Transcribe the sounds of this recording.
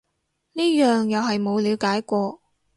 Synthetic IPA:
niː˥jœː˨ŋjɐ˨wɦɐ˨jmo˨˧wliː˨˧wkaː˨˥jkʷɔː˧

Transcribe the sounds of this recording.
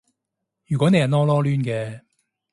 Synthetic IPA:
jyː˨˩kʷɔ˨˥ne˨˧jhɐ˨˩nɔː˥lɔː˥lyː˥nkɛː˧

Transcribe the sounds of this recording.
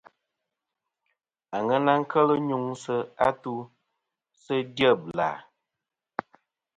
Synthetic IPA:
a˨ŋə˦na˦ŋ̩˦kʰə˦lə˦ɲu˦ŋsə˦a˦tu˦ | sə˦djə˦bla̰˨

